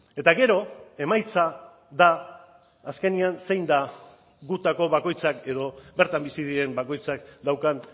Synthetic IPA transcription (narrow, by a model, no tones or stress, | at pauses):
e̞t̪aɣe̞ɾo̞e̞majt͡sa | ðaː | ske̞nianse̞jnd̪a | ɡut̪ako̞βako̞jt͡sake̞ðo̞be̞ɾt̪ambisiðiɾe̞mbako̞jt͡sakd̪awkan